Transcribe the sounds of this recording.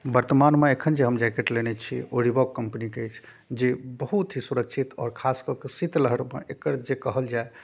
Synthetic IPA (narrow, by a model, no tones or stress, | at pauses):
bəɾt̪əmanmeekʰənd͡ʒeɦəmd͡ʒakeʈlenɛt͡ʃʰioɽibɔkːəmpənikeejt͡ʃʰ | d͡ʒebəɦut̪ɦisuɾəkt͡ʃʰit̪ɔ̰ːɾkʰaskɔkesit̪ləɦəɽmḛekəɾd͡ʒekəɦəld͡ʒae